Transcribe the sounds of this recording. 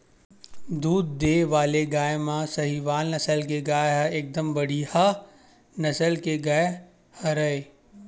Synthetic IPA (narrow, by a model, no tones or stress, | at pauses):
d̪uːd̪̚ːeːʋaːleɡaːjmãsɐɦiʋaːlnɐsəlk̬eɡaːjeɦaeːk̚d̪əmbɐɽiha | nɐsəlkeɡaːje | hɐɾɐe